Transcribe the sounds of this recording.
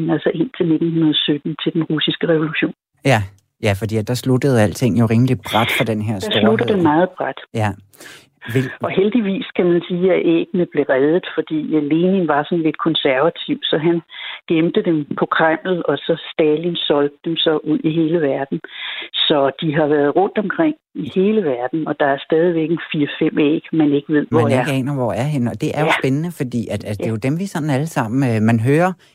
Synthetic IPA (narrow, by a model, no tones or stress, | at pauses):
nælsɒʔe̝n̰t͡sʰe̝lne̝d̥n̩hunɐðˠsød̥n̩t͡sʰe̝ld̥enʁusisɡ̥əʁɛʋo̝luɕo̝̰ːn | j | jæfɒd̥ḭæd̥ɑ̈slud̥əð̞̩ˠæl̰t͡sʰe̝ŋ̰joʁeŋəlib̥ʁad̥fʁɑd̥enɦeɐ̰sd̥ɑ̈slud̥ðd̥enmɑ̈ːð̞̩ˠb̥ʁad̥jæ | ʔɒ̽ɦeld̥iʋḭːskʰæmænsiːæʔḛːɡ̥nəðˠb̥le̝ʁɛð̞ˠð̩ˠfɒ̽d̥ḭːæle̝ːninʋɑ̈sɒ̽n̩le̝d̥kʰɒ̽nsæɐʋæt͡sʰiʊ̰sɒ̽ɦænɡ̥emd̥əd̥empʰɒ̽kʰʁam̰l̩ɒ̽sɒ̽sd̥ɛːlinsɒ̽ld̥ə̥emsɒ̽ʔuð̰ˠiɦe̝ːləʋæɐd̥n̩sɒ̽d̥iɦɑ̈ʋæɐð̞̩ˠʁɔ̽n̰d̥ɒ̽mkʰʁeŋ̰ihe̝ːləʋæɐd̥n̩ɒ̽d̥ɑ̈æɐsd̥ɛːð̞ˠiʋeɡ̥enfiːɐfem̰ḛːɡ̥mæne̝ɡ̥əʋe̝ð̰ˠmʋɒææeɐɡḛːnɐʋɒæɐɦe̝nɒ̽d̥e̝ʔæɐjosb̥enənəfɒ̽d̥ḭːæd̥æd̥e̝jo̝d̥emʋisɒ̽nn̩æləsɑ̈m̰n̩mænɦøːɐ